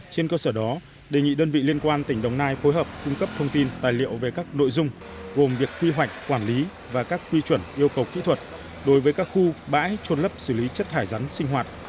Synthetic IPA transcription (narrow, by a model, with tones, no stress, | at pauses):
t͡ɕe˧nkəː˧səː˧˩ɗɔ˨˦ | ɗe˨˩ŋḭ˧˨ɗəː˧nvḭ˧˨li˧ənkwaː˧nt̪ï˧˩ŋ̟ɗə˨˩wŋ͡mnaː˧jfo˨˦jɦəː˨˩p̚kʊ˧ŋ͡mkə˦˥p̚t̪ʰə˧wŋ͡mt̪i˧nt̪aː˨˩jlḭ˧˨əwve˨˩kaː˦˥k̚no̰˧˨jzʊ˧ŋ͡m | ɣo˨˩mvi˨˩əkːwi˧ɦwa˨˩jk̟̚kwaː˧˩nli˨˦ | vaː˨˩kaː˦˥kːwi˧t͡ɕwə˧˩nʔi˧əwkə˨˩wkḭ˧˥t̪ʰwə˨˩t̚ | ɗo˨˦jvəː˨˦jkaː˦˥k̚xu˧ɓa̰ː˧˥jt͡ɕo˧nlə˦˥p̚sɨ˧˩li˨˦t͡ɕə˦˥t̚t̪ʰaː˧˩jza˨˦ŋsï˧ŋ̟ɦwaː˨˩t̚